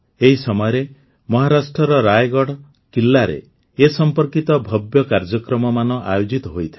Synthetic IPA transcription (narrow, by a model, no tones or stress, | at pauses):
eɦisɔmɔjɔɾe | mɔɦaɾasʈɾɔɾɔɾajɡɔɽ | kilːaɾḛ | esɔmpɔɾkit̪ɔbʱɔbjɔkaɾd͡ʒɔkɾɔmɔmanɔʔajod͡ʒit̪ɔɦojt̪ʰi